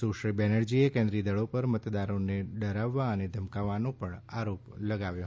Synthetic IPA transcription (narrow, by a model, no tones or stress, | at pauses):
soʃəlbɛnəɾd͡ʒiekɛ̃nd̪ɾid̪əɭopəɾmət̪d̪aɾoneɖəɾaʋːaəned̪ʱəmkaʋanopəɳaɾopləɡaʋjo